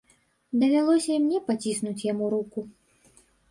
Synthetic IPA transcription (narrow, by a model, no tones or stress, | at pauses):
d̪ɐvʲalˠɔsʲɐmnʲɛpat͡sʲisnut͡sʲjamuɾuku